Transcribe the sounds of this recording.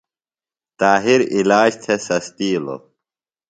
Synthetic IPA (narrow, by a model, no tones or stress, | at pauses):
t̪aːɦiɾilaːɕt̪ʰesɐst̪iːlo̰